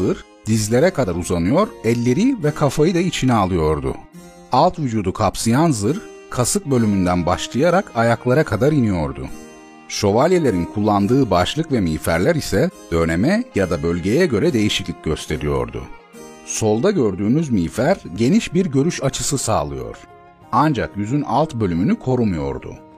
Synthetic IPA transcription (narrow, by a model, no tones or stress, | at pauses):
ɯɾ | d̪̥izlʲe̞ɾɛkʰad̪aɾuzanɯjo̞ɾɛlʲːe̞ɾivɛkʰafajɯd̪ait͡ʃʰinɛalˠɯjo̞ɾd̪ʊ̰ | alˠt̪vyd͡ʒuːd̪ukʰapsɯjanzɯɾ | kʰasɯk̚bø̞lʲymynd̪ænbaʃlˠɯjaɾakʰajaklˠaɾakʰad̪aɾinijo̞ɾd̪ʊ̰ | ʃo̞valʲje̞lʲe̞ɾinkʰulˠːand̪ɯːbaʃlˠɯkvɛmiːfæɾlʲæɾisɛd̪̥ønemɛjad̪abø̞lʲɟe̞jɛɟø̞ɾɛd̪e̞jiʃiclʲic̚ɟ̥ø̞st̪ʰe̞ɾijo̞̰ɾd̪ʊ̰ | so̞lˠd̪aɟø̞ɾd̪yːnyzmiːfæɾɟe̞niʃbiɾɟø̞ɾyʃat͡ʃʰɯsɯsa̰ːlˠɯ̰jo̞̰ɾ̥ | and͡ʒakjyzynalˠt̪bølʲymynykʰo̞ɾumujo̞̰ɾd̪ʊ̰